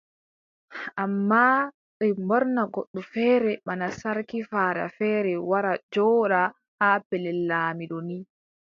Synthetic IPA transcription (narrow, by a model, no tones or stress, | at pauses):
ʔamːa | ɓɛmbɔɾnaɡoɗːufɛːɾɛmanasaɾkifaːɗa̰fɛːɾɛwaɾad͡ʒɔːɗa | haːpɛlɛlːaːmiɗoni